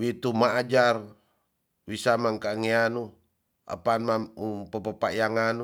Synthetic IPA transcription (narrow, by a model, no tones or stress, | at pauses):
wit̪umaːd͡ʒar | wisamaŋkaŋeanu | a̰panmamupəpəpaʔjaŋanu